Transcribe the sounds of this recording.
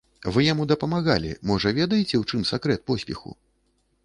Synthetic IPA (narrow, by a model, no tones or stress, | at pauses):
vɨjamud̪ɐpɐmaɣa̰lʲḭmɔʐɐvʲɛd̪ɐjit͡sʲɛwt͡ʂɨmsɛkɾɛt̪̚pɔsʲpʲɛxṵ